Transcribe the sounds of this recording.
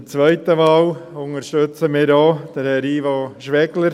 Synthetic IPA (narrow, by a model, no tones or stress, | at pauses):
t͡sʋœɪtəʋɑːwʊŋəɾʃtøt͡səmɪːɾdoːd̪̥əhɛɾiːvɑʃʋɛɡləɾ